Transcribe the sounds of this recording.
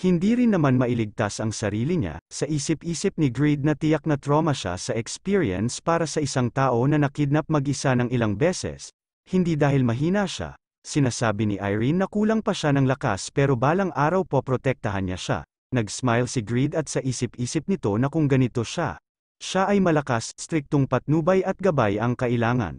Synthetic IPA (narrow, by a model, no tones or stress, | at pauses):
hɪnd̪iɾɪnːɐmanmɐʔɪlɪɡ̚t̪asɐŋsɐɾiːliɲa̰sɐʔiːsɪpʔiːsɪp̚nɪɡɹid̪̚nɐt̪ɪjak̚nɐt̪ɾo̞mɐʃa̰sɐʔɛkspiɹiɐ̰nspaːɾɐsɐʔɪsaŋt̪aːʔo̞nɐnɐkid̪̚nɐp̚mɐɡʔɪsanɐŋɪlaŋbɛːsɛ̰s | hɪnd̪iːd̪aːhɪlmɐɦiːnɐʃa̰ | sɪnaːsaːbɪniʔa̰jɹinːɐkuːlɐŋpɐʃanɐŋlɐka̰spɛːɾo̞baːlɐŋʔaːɾɐwpopɾot̪ɛk̚t̪ɐɦɐnɲa̰ʃa̰ | nɐɡsmajlsɪɡɹid̪ɐt̪̚sɐʔiːsɪp̚ʔiːsɪp̚nɪt̪o̞nɐkʊŋɡɐnɪt̪o̞ʃa̰ | ʃaʔɐjmɐlɐkasst̪ɾik̚t̪oŋpɐt̪̚nuːbɐjɐt̪̚ɡɐbajɐŋkɐʔɪlaːŋɐ̰n